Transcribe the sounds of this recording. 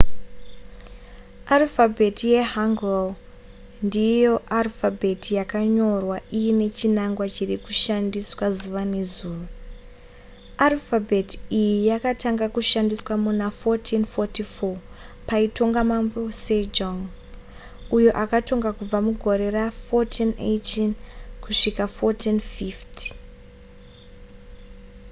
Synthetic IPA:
alfabʱetije̞ɦaŋɡel | ndijo̞ʔalfabʱetijakaɲo̞rwaijine̞t͡ʃinaŋɡwat͡ʃirikuʃandiswazuʋanezuːʋa | alfabʱetijijakataŋɡakuʃandiswamunafotʰinfotifo̞paito̞ŋɡamambo̞sed͡ʒoŋ | ujo̞ʔakato̞ŋɡakub͡vamuɡʱo̞ɾe̞rafotʰinḛtinkuʂikafotinfifti̥

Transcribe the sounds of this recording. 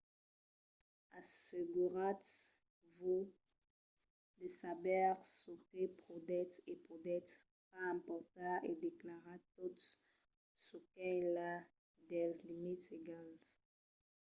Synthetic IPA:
aseɡuʁat | vu | d̪əsabɛʁsukepʁod̪ɛtepod̪ɛt | pãːmpɔʁt̪aed̪eklaʁat̪ot | sukɛla | d̪ɛlzlimiteɡãnt

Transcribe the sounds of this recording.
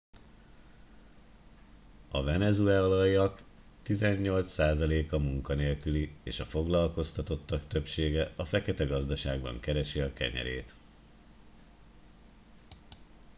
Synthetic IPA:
ɒvɛnɛzuɛɒlɒjɒk | t̪izɛɲːo̞lt̪ssaːzɒleːkɒmuŋkɒneːlkylieːʃɒfo̞ɡlɒlko̞st̪ɒt̪o̞t̪ːɒkt̪ø̞pʃeːɡɛɒfɛkɛt̪ɛɡɒzd̪ɒʃaːɡbɒ̰ŋkɛɾɛʃiɒkɛ̰ɲɛ̰ɾḛːt̪

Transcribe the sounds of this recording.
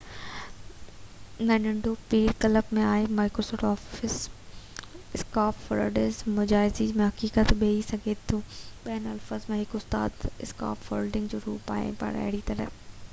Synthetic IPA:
nɐ̃nə̃ɳɖopiːɾkɐləbmẽaːemaːkɾoːsɔːfʈɔːfɪs | ɪskaːpfɐ̰lɖezmʊd͡ʑaːɪzimẽɦɐkiːkət̪ɓeisɐɡʱet̪ʰːũːɓijənɐlfəzmẽɦɪkʊst̪a̰ːd̪ɪska̰ːpfolɖɪ̃ŋɡd͡ʑoːɾṵːpa̰ːɪ̰̃pa̰ɾɐ̰ɦɪɽit̪ɐɾə

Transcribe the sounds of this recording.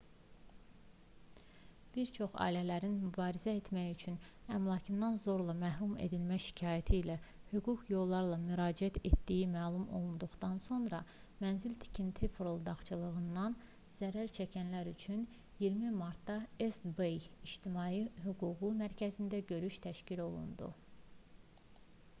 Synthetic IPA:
b̥iɾt͡ʃʰo̞χɑ̰ːilælæɾinmybɑːɾizæe̞t̪mæjyt͡ʃʰynæmlˠɑcʰɯnd̪ɑnzo̞ɾlˠɑmæɦɾumḛd̪ilmæçʃi̥cʰɑːjæt̪ʰiːlæhyɡukʰjo̞lˠːɑɾlˠɑmyɾɑːd͡ʒiæt̪ʰe̞t̪d̪ijimæːlˠumo̞̰lˠund̪uχd̪ɑnso̞nɾɑ | mænzilt̪ʰi̥cʰint̪ʰifɾolˠd̪ɑχt͡ʃʰɯlˠɯɣɯnd̪ɑn | z̥æɾæɾt͡ʃʰæcʰænlæɾyt͡ʃʰyn | jiɾmimɑɾt̪d̪ɑesbejiʃt̪ʰimɑːjiɦyɡuːɡumæɾcʰæzind̪æɟø̞ɾyʃt̪ʰæʃcilo̞lˠṵnd̪ṵ

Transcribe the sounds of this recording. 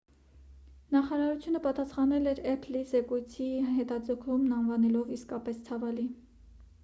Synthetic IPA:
nɑχɑɾɑɾut͡sʰjunəpɑt̪ɑsχɑnɛlɛɾɛpʰlizɛkujt͡sʰiɦɛt̪ɑd͡zəkʰumnɑnvɑnɛlɔviskɑpɛst͡sʰɑvɑli

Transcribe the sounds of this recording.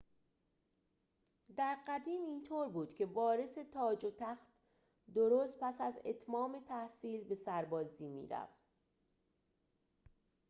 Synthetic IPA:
d̪æɾɢæd̪iːmiːnt̪ʰoːɾbuːd̪̥cʲʰe̞bɒːɾe̞se̞t̪ʰɒːd͡ʒot̪ʰæxt̪ | d̪oɾoːst̪̚pʰæsæze̞̰t̪ʰmɒːme̞t̪ʰæhsiːlbe̞sæɾbɒːziːmḭːɾæ̰ft̪

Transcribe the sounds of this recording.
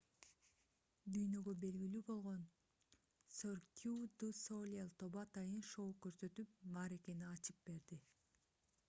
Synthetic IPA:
d̪yjnø̞ɡø̞be̞lɡilyːbo̞lˠʁon | sorkʲʰud̪usolʲelˠt̪o̞βɑt̪ɑjɯnʃo̞kø̞ɾsø̞t̪yp̚mɑɾe̞ke̞niɑt͡ʃɯp̚be̞ɾd̪i

